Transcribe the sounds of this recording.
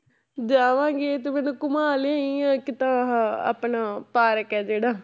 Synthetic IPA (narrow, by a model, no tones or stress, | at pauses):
d͡ʒaːʋãːŋɡeːt̪eːmɛnũːkʊmaːleiãːkɪt̪ãːɦa̰ːpnaːpaːɾəkɛːd͡ʒeːɽaː